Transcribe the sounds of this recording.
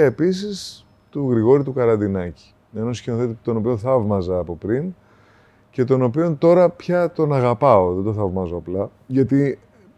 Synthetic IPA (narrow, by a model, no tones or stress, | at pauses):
ɐepisis | t̪uɣɾiɣo̞ɾit̪ukɐɾɐnd̪inɐci̥ | enoscinoθet̪it̪o̞no̞pio̞nθɐvmɐzɐːpo̞pɾin | ce̞t̪o̞no̞pio̞nt̪o̞ɾɐpçɐt̪o̞nɐɣɐpɐo̞ðed̪o̞θɐvmɐzo̞ɐplɐ | ʝɐt̪i